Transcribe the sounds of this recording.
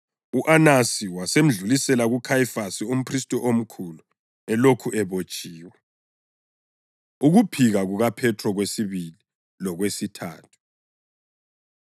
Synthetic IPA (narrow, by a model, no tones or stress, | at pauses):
uʔanasiwasem̩ɮulisɛlaɣukʰajifasium̩pʰristʼɔʔom̩kʰulu | ɛlokʰuʔɛβot͡ʃʼiːwɛ | uɣupʰiɣaɣuɣapʰɛtʰrɔɣwesiβili | lɔɣwesitʰa̰ːtʰu̥